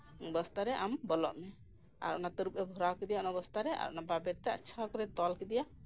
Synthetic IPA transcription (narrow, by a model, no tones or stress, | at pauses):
bɔst̪aɾɛʔambɔlɔ̰ʔmɛ | a̰ɾɔ̰nat̪ɔɾup̚ɾɛbʱɔɾawkid̪ijaɔnabɔst̪aɾɛa̰ɾɔ̰nababɛɾt̪ɛa̰t͡ʃʰakɔɾɛt̪ɔlkɛd̪ijaʔ